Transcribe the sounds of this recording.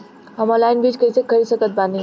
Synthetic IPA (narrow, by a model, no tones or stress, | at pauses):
əməlainbiːd͡ʑkəjt͡sekʰːəɾisəkət̪̚bani